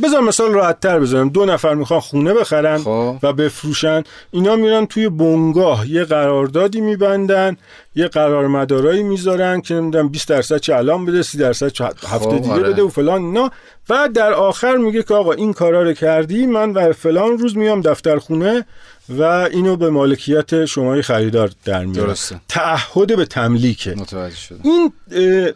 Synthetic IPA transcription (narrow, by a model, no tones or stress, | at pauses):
be̞zɒɾmːesɒːlrɒːhæt̪ʰːæɾbe̞zɒːɾæmd̪onæfæɾmixɒnxuːne̞be̞xæɾænvæbe̞fɾuːʃæn | iːnɒːmiɾænt̪ʰuːje̞boŋɡɒːɦje̞ɣæɾɒːɾd̪ɒːd̪iːmiːbænd̪æn | jeɢæɾɒːɾmæd̪ɒːɾɒːiːmizɒɾænd̪̚kʰene̞mid̪unæmbiːsd̪æɾsæd̪̚t͡ʃʰeælɒːmbe̞d̪esiːd̪æɾsæd̪̚t͡ʃʰhæft̪ed̪iɡebe̞d̪eofe̞lɒːninɒː | væd̪æɾɒːxæɾmiɟe̞cʰeɒːɣɒːʔinkʰɒːɾɒːɾocʰæɾd̪iːmænbæɾfe̞lɒːnruːzmijɒmd̪æft̪æɾxuːne̞ | væiːnobe̞mɒːle̞cʰijæt̪ʰe̞ʃomɒːjexæɾiːd̪ɒːɾd̪̥æ̰ɾmij̰st̪ʰæʔːhːod̪e̞be̞t̪ʰæmliːcʰḛt̪ʰæd͡ʒiːn